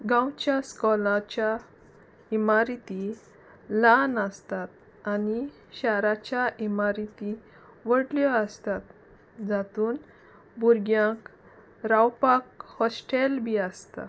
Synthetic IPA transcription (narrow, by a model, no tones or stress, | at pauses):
ɡãwt͡ɕjaskɔlãt͡ɕa | imaɾit̪i | lanəst̪at̪̚ | ani | ɕaɾat͡ɕjaʔimaɾit̪i | ʋəɽljɔəst̪at̪̚ | d͡zat̪uːn | buɾɡjãk | ɾawpak̚hɔsʈelbʱiəst̪a̰